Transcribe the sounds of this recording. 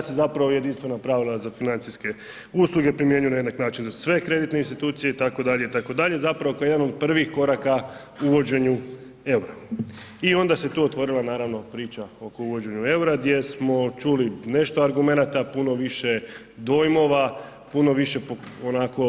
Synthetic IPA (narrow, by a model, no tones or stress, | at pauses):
sezapɾaʋojed̪inst̪ʋe̞napɾaʋilˠazafinant̪siske̞ | uslˠuɡe̞pɾimjeɲujenajed̪naknaːt͡ʃinzasʋe̞kɾe̞d̪it̪ne̞inst̪it̪uːt̪sije̞it̪ako̞d̪aʎe̞it̪ako̞d̪aʎezapɾaʋokajed̪anod̪̚pr̩ʋixko̞ɾaka | uʋo̞d͡ʑe̞ɲu | e̞uɾaio̞nd̪aset̪uːot̪ʋo̞ɾilˠanaːɾaʋno̞pɾiːt͡ʃao̞kouʋo̞d͡ʑe̞ɲue̞uɾad̪je̞smo̞t͡ʃuline̞ʃt̪oaɾɡume̞nat̪apuno̞ʋiʃe̞ | d̪o̞jmo̞ʋa | puno̞ʋiʃe̞poonako̞